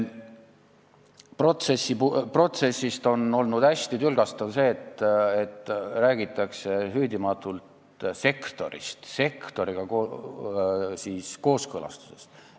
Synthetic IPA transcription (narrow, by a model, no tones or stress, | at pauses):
pro̞t̪sesːipupro̞t̪se̞sːist̪o̞no̞lnud̪̥æsʲt̪it̪ylɡ̥ɑst̪ɑvse̞ːt̪et̪ːˑræːɡ̥it̪ːˑɑkse̞ɦyd̪imɑt̪ːˑult̪ | se̞kt̪o̞ɾḭst̪se̞kt̪o̞ɾiɡ̥ɑko | siːsko̞ːskɤlɑ̰st̪u̥se̞̥st̪